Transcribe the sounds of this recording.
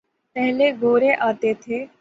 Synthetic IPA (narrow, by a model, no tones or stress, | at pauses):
pɛɦleɡoːɾeʔaːt̪et̪ʰeː